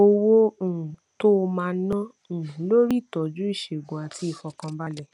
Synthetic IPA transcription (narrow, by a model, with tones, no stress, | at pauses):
o˧wõ˦˨to˦˧mãː˦˧˦nã˦˨lo˦ɾi˦˨tɔ˨d͡ʒu˦i˦˨ʃe˨ɡũ˨a˨ti˦i˧fɔ˧kã˧˦ba˦lɛ˦˨